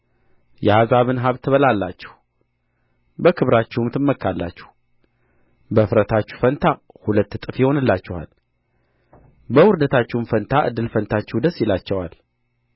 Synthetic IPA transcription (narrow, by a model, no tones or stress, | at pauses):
jɛhazaβɨnɦaβt̪ʰəβəlalːat͡ʃːɛ̥h | bəkʰɨβɾat͡ʃːɛhmt̪ʰɨmːəkʰːalːa̰t͡ʃːɛ̥h | bəfɾət̪ʰat͡ʃːu̥fənt̪ʰahulət̪ːt̪ʼɨfjɪho̞nɨlːat͡ʃːɛha̰l | bəwʊɾd̪ət̪ʰat͡ʃːɛwmfənt̪ʰaʔɨ̰d̪ːɨlfənt̪ʰat͡ʃːɛhwd̪əsjɪlat͡ʃːɛwal